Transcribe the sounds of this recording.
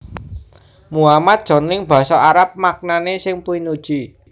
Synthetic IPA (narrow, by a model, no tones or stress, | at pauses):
muamat̪̚d̥ʒ̥ɔ̤nɪŋb̥ä̤sɔaɾap̚mak̚nanesɪŋpuinud̥ʒ̥i